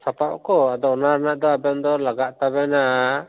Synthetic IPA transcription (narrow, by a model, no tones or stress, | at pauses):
sʰapaʔkɔad̪ɔɔnaɾanaʔd̪ɔabɛnd̪ɔlaɡaʔt̪abɛna